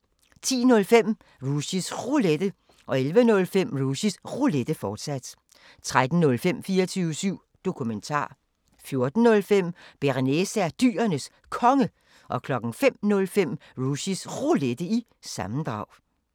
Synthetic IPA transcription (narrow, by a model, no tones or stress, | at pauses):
t͡sʰḭːnɔ̽lfem̰ | ʁusisʁuled̥ə | ʔɒ̽elʋənɔ̽lfem̰ʁuɕisʁuled̥əfɒːd̥sæd̥ | t͡sʰʁad̥n̩nɔ̽lfem̰fiːɐt͡sʰyːʊəsyʊ̰ | d̥o̝kʰument͡sʰɑ̰̈ː | fjo̝ɐd̥n̩ːɔ̽lfem̰b̥eʁinesæd̥y̰ːɐnəs | kʰɒ̽ŋə | ʔɒ̽kʰlɒ̽ɡ̥n̩fem̰nɔ̽lfem̰ʁuɕisʁuled̥əi | sɑ̈mn̩d̥ʁɑ̈ʊ̰